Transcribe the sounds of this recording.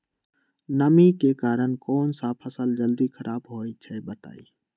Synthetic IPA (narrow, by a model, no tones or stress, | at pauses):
nəmikekaːɾəɳ̃kɔːnsapʰəsəld͡ʒəld̪ikʰəɾʔaːbɦoːit͡ʃʰɛbət̪a̰ːḭ